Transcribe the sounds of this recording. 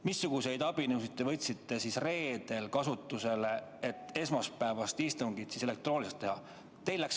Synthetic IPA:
misːuɡ̥use̞jd̪̥ɑb̥inɯwsit̪ˑːe̞vɤt̪ʲsit̪ːˑe̞sisre̞ːd̪̥e̞lkɑsut̪ːˑuse̞le̞et̪ːˑe̞smɑspæevɑst̪ist̪uŋɡ̥it̪sise̞le̞k̚t̪ro̞ːnʲliset̪ːe̞hɑ | t̪e̞jlːæks

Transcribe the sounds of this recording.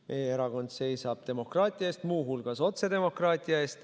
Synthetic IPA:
mʔejeeɾɑɡo̞nd̪̥se̞jsɑb̥̚t̪e̞mo̞krɑːt̪ʲˑiɑeːst̪muːɦulɡ̥ɑso̞t̪se̞d̪e̞mo̞krɑːt̪ʲːˑiɑe̞ːst̪

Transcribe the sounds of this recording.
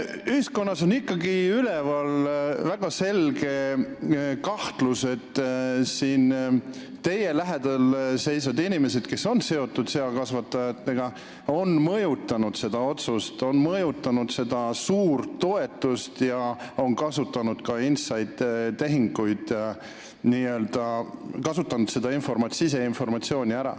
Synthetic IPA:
yhisko̞nːɑso̞nikːˑɑɡiylevɑlvæɡ̥ɑse̞lɡe̞ | kɑht̪luse̞t̪ːsiːnː | e̞jelæɦed̪̥ɑlse̞jsvɑd̪inʲimese̞d̪̥̚ke̞so̞nse̞o̞t̪ːˑud̪̥seɑkɑsvɑt̪ːˑɑjɑt̪ːeɡ̥ɑ | o̞nmɤjut̪ːˑɑnud̪̥se̞d̪̥ɑo̞t̪sust̪o̞nmɤjut̪ˑːɑnud̪̥se̞d̪ɑsuːɾt̪ːo̞e̞t̪ːˑust̪jɑo̞nkɑsut̪ːˑɑnud̪̥kɑinsɑjd̪̥t̪ːe̞ɦiŋɡ̥ujd̪̥ | niø̞ːld̪̥ɑkɑsut̪ːˑɑnud̪se̞d̪̥ɑinfo̞rmɑt̪sise̞info̞rmɑt̪sio̞ːnʲiæɾɑ̰

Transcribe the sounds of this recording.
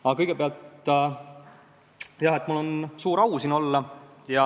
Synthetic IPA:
ɑkɤjɡ̥e̞peɑlt̪ | jɑɦet̪ːˑmulːo̞nsuːɾɑwsiːno̞lːɑjɑ

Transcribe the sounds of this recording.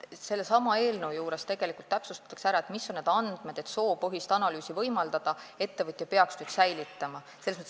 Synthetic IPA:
se̞lːesɑmɑe̞ːlneujuːɾe̞st̪e̞ɡ̥e̞likˑult̪ːæpsust̪ɑ̥t̪ːˑɑksæɾɑet̪misːo̞nne̞d̪̥ɑnd̪̥med̥̪e̞t̪so̞ːpɯɦist̪ɑnɑlyːsivɤjmɑld̪̥ɑd̪̥ɑe̞t̪ːe̞vɤt̪ʲˑjɑpe̞ɑksnyːd̪̥sæjlit̪ːˑɑmɑ | selesmɤt̪ː

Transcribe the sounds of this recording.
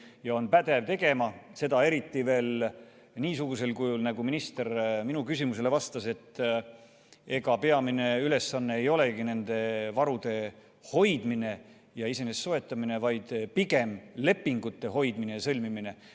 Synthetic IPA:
jɑo̞npæd̪̥e̞vt̪e̞ɡ̥e̞mɑse̞d̪̥ɑe̞ɾit̪ːive̞ːl | niːsuɡ̥use̞lkujulnæɡuminist̪e̞ɾminukys̬ʲimuse̞le̞vɑst̪ɑse̞t̪ːˑ | e̞ɡ̥ɑpe̞ɑmine̞yle̞sːɑnːe̞ːjo̞le̞ɡine̞nd̪̥e̞vɑɾud̪̥e̞ | ho̞jd̪̥mine̞ | jɑise̞nesːoe̞t̪ˑːɑmine̞vɑjd̪̥piɡe̞mle̞pːiŋɡ̥ut̪ːe̞ɦo̞jd̪minejɑsɤlʲmimine̞

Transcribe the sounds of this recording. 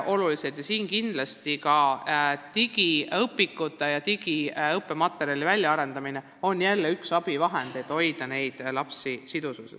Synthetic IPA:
ʔo̞lulised̪jɑsiːŋkind̪̥lɑst̪ikɑt̪iɡ̥iɤpːˑikːˑut̪ːˑɑjɑt̪iɡ̥iɤpːˑemɑt̪ːˑe̞ɾiɑlivælʲjɑɑɾe̞nd̪ɑmine | o̞njælːeyksɑb̥ivɑɦend̪̥et̪ːo̞jd̪ɑne̞jd̪̥lɑpsisid̪ususes

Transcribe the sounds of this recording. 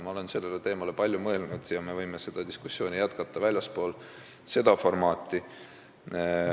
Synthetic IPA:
mɑo̞le̞nse̞lːe̞let̪e̞ːmɑle̞pɑlʲjumɤe̞lnud̪̥jɑme̞vɤjme̞se̞d̪̥ɑd̪iskusːjo̞ːnijæt̪kɑt̪ːˑɑvælʲjɑspo̞ːl | se̞d̪ɑfo̞rmɑːt̪ˑːi

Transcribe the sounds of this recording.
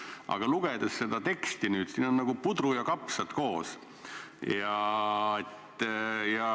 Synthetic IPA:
ʔɑ̰ɡ̥ɑluɡ̥ed̪̥esːe̞d̪̥ɑt̪e̞kst̪inyːd̪̥siːno̞nːɑɡ̥upud̪ɾujɑkɑpsɑt̪ko̞ːs | jɑet̪ːjɑ

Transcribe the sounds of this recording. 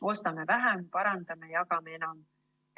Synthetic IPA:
o̞st̪ɑmevæɦæmpɑɾɑnd̪̥ɑme̞jɑkɑmee̞nɑm

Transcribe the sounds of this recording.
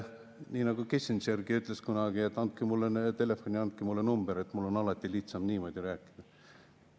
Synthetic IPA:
niːnɑɡ̥ukesʲinsærɡiyt̪ˑle̞skunɑɡ̥ie̞t̪ːˑɑnt̪̚kimulːet̪e̞le̞fo̞nʲiɑnd̪̚kimulːenumb̥eɾe̞t̪ːmulːo̞nɑlɑt̪ːiliht̪sɑmniːmo̞d̪ʲiɾæːkːˑi̥n̥u̥

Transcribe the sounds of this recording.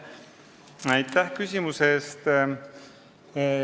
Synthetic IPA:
ɑjt̪ːæhkysʲimuseːst̪

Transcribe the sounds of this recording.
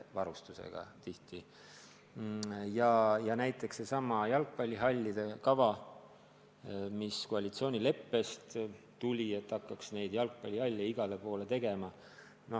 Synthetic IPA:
vɑɾust̪usḛɡ̥ɑ̰t̪iht̪i | jɑjɑnæjt̪ːˑeksːe̞sɑmɑjɑlk̚pɑlʲːiɦɑlʲːid̪̥e̞kɑvɑ | miskoɑlʲit̪sio̞ːnʲile̞pːe̞st̪ | t̪ulʲie̞t̪ːˑɑkːˑɑksne̞jd̪̥jɑlk̚pɑlʲiɑlʲːɑiɡ̥ɑle̞po̞ːle̞t̪e̞ɡ̥e̞mɑ | no

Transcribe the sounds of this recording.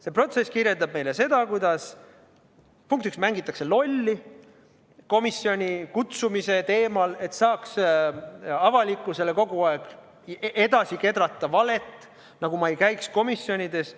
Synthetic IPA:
se̞pro̞t̪se̞skirjeld̪ɑb̚me̞jle̞se̞d̪̥ɑkujd̪̥ɑs | puŋk̚t̪iksmæŋɡ̥it̪ːˑɑkse̞lo̞lʲːi | ko̞misio̞nʲikut̪sumise̞t̪e̞ːmɑle̞t̪ːsɑːks | ɑvɑlikːˑuse̞le̞ko̞ɡuɑeɡ̥ | ed̪ɑsike̞d̪ɾɑt̪ˑːɑvɑle̞t̪ːˑ | nɑɡ̥umɑe̞jkæjksko̞misːjo̞nʲid̪e̞s

